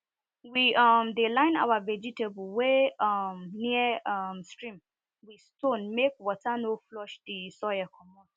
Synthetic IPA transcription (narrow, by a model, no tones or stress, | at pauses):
wiɔmdelãɪ̃na̰wavɛd͡ʒitebuweɔmniəɔmstɹĩm | wistõnmekwɔtanoflɔʃdisɔjakʰɔmɔ